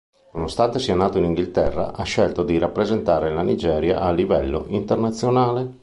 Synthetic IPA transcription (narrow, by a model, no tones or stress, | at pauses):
nonost̪ant̪esiɛnaːt̪oiniŋɡilt̪ɛrːa̰ʔaʃːɛlt̪od̪iɾapːɾezent̪aːɾelanid͡ʒɛːɾja̰ʔalːivɛlːo̰ʔint̪ernat̪sːjonaːle